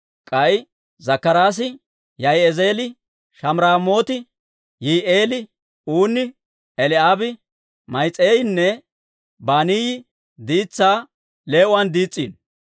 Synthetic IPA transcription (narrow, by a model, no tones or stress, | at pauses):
kʼɐj | zɐkːɐɾaːs̬ɪ | jɐjɛze̞ːlɪ | ʃɐmɾaːmo̞ːt̪ɪ | jiːʔeːlɪ | uːnɪ | ɛlɪaːbɪ | mɐjt͡sʼːeːjɪnːɛ | baːnijɪ | d̪iːt͡sːaː | le̞ːʔʊɐnd̪iːt͡sʼːḭːn